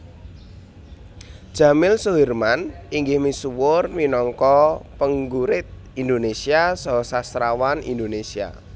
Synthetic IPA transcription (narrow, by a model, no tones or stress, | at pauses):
d̥ʒ̥a̤mɪlsoɦirmaniŋɡɪhmisuwʊrminɔŋkɔpəŋɡuɾɪt̪̚ | ind̪onesiasɔsasɾawanḭnd̪onesia̰